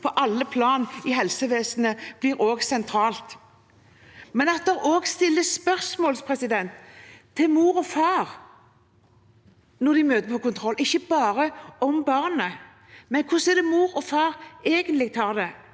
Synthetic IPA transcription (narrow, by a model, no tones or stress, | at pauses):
pʰɔʔɑlːəpʰlɑːnɪhɛlsəʋeːsnəb̥lɪɾoːɡsɛnt̪ʰɾɑːlt̪ | mɛnɑt̪̚d̪ɛʁoːɡst̪ɪlːəspœʁsmoːlspʰʁɛsɪd̪ɛnt̪t̪ʰːɪlmuːɾɔfɑːʁ | nɔʁd̪ɪmøːt̪əpʰɔkʊnt̪ʰʁɔlːʔɪçːəbɑːɾəɔmbɑʁnə | mɛnkʰʊsɛd̪ɛmuːɾɔfɑːʁeːɡənlɪɡ̚t̪ʰɑːʁd̪ɛ